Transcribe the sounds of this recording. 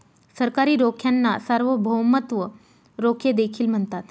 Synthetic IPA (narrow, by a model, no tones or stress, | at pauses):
səɾkaɾiːɾokʰjanːasəɾʋəbʱəwmət̪ʋə | ɾokʰjed̪ekʰiːlm̤əɳt̪at̪